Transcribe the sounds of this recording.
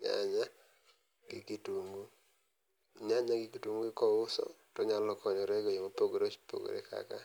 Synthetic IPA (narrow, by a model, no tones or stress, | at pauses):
ɲa̰ɲa | ɡ̥ɪkituŋɡu | ɲaɲaɡɪkitwuŋɡuɪkɔʊsɔ̰tɔɲalɔkɔɲɔɾeɡojeŋopoɡoɾot͡ʃpo̰ɡo̰ɾḛkʰa̰ka